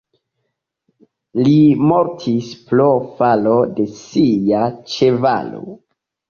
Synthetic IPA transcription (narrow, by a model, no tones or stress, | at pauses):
limoɾtʰisplofalo̞de̞sijat͡ʃe̞va̰lo̰